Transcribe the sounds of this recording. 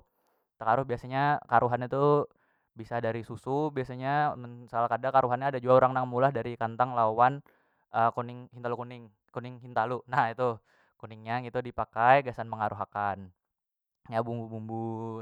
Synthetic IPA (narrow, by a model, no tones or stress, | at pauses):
t̪əkaɾʊhbiasaɲakaɾuɦanit̪u | bisadaɾisusubiasaɲaməsalahkadakaɾuɦanɲaːdad͡ʒuauɾaŋnaŋmulahdaɾikant̪aŋlawan | əkonɪŋhint̪alukunɪŋ | konɪŋɦint̪alunahit̪u | kunɪŋɲaɡit̪udipakajɡasanməŋaɾʔuɦakan | jabumbubumbu